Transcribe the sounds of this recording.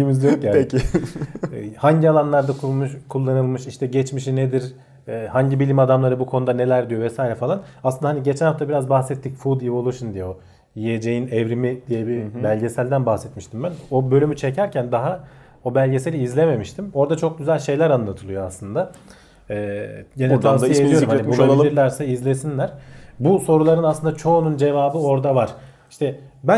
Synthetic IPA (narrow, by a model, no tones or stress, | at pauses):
iimizjokɟæc | haɲɟialˠanlˠaɾd̪akʰumɯʃkʰulˠːanɯlˠmɯʃiʃt̪ʰɛɟɛt͡ʃmiʃined̪iɾ | ɛːhaɲɟibilʲimad̪amlˠaɾɯbukʰo̞nd̪ane̞lʲæɾd̪ijo̞vɛsaːiɾɛfalˠanasɯnd̪aɦaniɟet͡ʃʰænhaft̪ʰabiɾazbaxsɛt̪ʰːicfud̪ivolˠoʃund̪ijo̞ | jijed͡ʒe̞jinɛvɾimid̪ijebibælʲɟe̞sælʲd̪ænbahsɛt̪miʃt̪ʰimbænobølʲymyt͡ʃʰe̞cʰæɾcʰænd̪aɦa | o̞bælʲɟe̞se̞lʲiizlʲe̞me̞miʃt̪ʰimo̞ɾd̪at͡ʃʰo̞k̚ɟyzælʲʃe̞jlʲæɾanlːˠat̪ʰɯlˠɯjo̞aslˠɯnd̪a | ɛːɟenɛt̪ʰanijed̪ijoɾumhaaibulailiɾlʲæɾsɛizlʲe̞sinlʲæɾ̥buso̞ɾulˠaɾɯnaslˠɯnd̪at͡ʃʰo̞ːnund͡ʒe̞vaːbɯo̞ɾd̪avaɾ̥ | iʃt̪ʰɛbæ